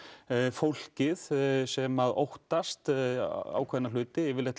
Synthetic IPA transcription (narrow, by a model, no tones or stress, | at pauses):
fowl̥cɪðsɛmaðo̰wht̪ast̪a̰wkʰvɛnal̥ʏːt̪ɪɪvɪlɛt̪